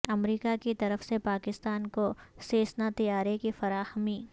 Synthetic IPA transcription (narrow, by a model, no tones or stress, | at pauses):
ɐmɾiːkakit̪ɐɾəfsepaːkɪst̪aːnkoseːsnat̪ɐjaːɾekefɐɾaːhəmiː